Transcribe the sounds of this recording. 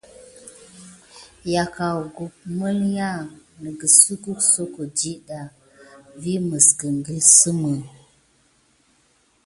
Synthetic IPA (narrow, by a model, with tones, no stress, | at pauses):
ja˨ka˨wɡu˨p̚mə˦lja˦nə˨ɡə˨su˦ku˦kso˦ko˨d͡ʒi˦ɗa˨ | vi˦mə˨sɡə˨ŋɡi˦sə˦mə˨